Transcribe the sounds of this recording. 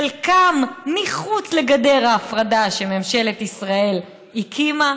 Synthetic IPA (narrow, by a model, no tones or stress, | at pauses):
lkamːiχut͡sle̞ɡade̞ʁaːfʁadaʃememʃe̞let̪isʁae̞l | ikʰima